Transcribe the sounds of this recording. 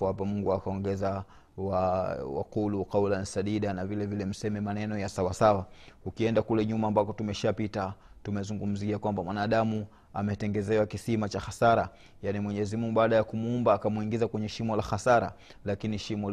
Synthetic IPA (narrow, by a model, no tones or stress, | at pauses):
uhapamuŋɡuakaɔŋɡɛza | wawa̰kuluqawlansaɗiɗanavilɛvilɛm̩sɛmɛmanɛnɔjasawasawaukiɛndakulɛɲumaːmbakɔtumɛʃapitatumɛzuŋɡum̩ziakwambamwanaːɗamu | amɛtɛŋɡɛzɛwakisimat͡ʃaxasaɾa | janimwɛɲɛzimuŋɡuɓaːɗajakumuumbaːkamuiŋɡizakwɛɲɛʃimɔlaxasaɾa̰ | lakiniʃimɔ